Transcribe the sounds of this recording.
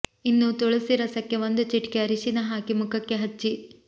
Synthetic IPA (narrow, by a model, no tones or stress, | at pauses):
inːut̪oɭɐsiɾɐsɐkːeʋond̪ut͡ʃiʈkeɐɾiʃinɐɦaːkimukʰɐkːe̞ɦɐt͡ʃːi